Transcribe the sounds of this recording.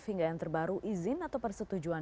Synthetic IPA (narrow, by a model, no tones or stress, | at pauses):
fhiŋɡajaŋt̪ərbaɾuʔizɪnat̪awpərsət̪ud͡ʒuan